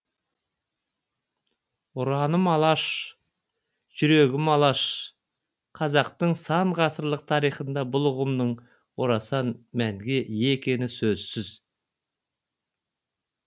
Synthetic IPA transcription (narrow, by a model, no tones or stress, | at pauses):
ʊɾɑnəmɑlˠɑʃ | ʒ̥ʏɾe̞ɡʲɪmɑlˠɑʃ | qʰɑzɑqt̪əɴsɑɴʁɑsəɾlˠəq̚t̪ʰɑɾijχənd̪ɑbʊlˠʊʁəmd̪əɴ | woɾɑsɑnmæŋɡʲe̞ʔjekʲe̞nɪsɵzsɪz